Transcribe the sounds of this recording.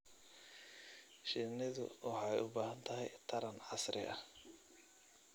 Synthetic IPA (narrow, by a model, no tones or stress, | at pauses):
ʃɪnɪðʊ̰wɑħɑjʔʊbaːhɐnt̪ʰɐɦɛjt̪ʰɐɾɐnʕɑsɾʔɪ̰ʔɐ̰